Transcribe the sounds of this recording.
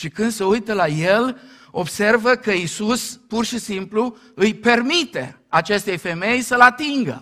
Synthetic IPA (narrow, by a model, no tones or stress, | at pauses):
ʃikɨnd̪se̞ujt̪əlajel | o̞bse̞rvəkəisuspurʃisimplu | ɨjpe̞rmit̪e̞̰at͡ʃe̞st̪ejfe̞me̞jsəlat̪iŋɡə̰